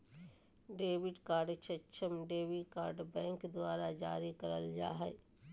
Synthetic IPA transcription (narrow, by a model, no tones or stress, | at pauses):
ɖeːbɪɖkaːɾɖt͡ʃʰət͡ʃʰəmɖeːʋikaːɾɖbɛ̃ːŋkd̪waːɾad͡ʒaːɾikəɾəld͡ʒa̰ːɦɛ